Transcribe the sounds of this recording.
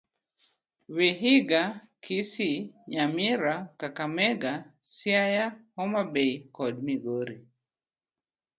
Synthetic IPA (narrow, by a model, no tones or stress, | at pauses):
wiɦiɡa | kʰisiɲamiɾakakamɛɡa | siajahɔmabeikɔdmiɡoɾi